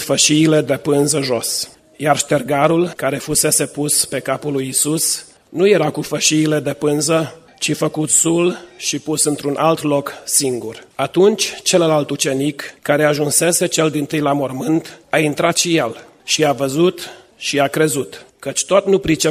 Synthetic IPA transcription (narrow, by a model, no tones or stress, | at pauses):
fəʃiːle̞d̪e̞pɨnzəʒos | jarʃt̪erɡaɾulkaɾe̞fuse̞se̞puspe̞kapulujisus | nuje̞ɾakufəʃiːle̞d̪e̞pɨnzə | t͡ʃifəkut̪sulʃipusɨnt̪ɾunʔalt̪lo̞ksiŋɡurat̪unt͡ʃʲt͡ʃe̞ləlalt̪ut͡ʃe̞nikːaɾe̞aʒunse̞se̞t͡ʃe̞ld̪int̪ɨjlamo̞rmɨnt̪aint̪ɾat̪ʃijel | ʃiavəzut̪ | ʃiakɾe̞zut̪kət͡ʃʲt̪ot̪nupɾit͡ʃe